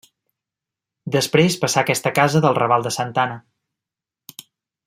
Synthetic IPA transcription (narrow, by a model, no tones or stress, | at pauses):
d̪əspɾespəsakɛst̪əkazəðəlˠrəβalˠd̪əsənt̪anə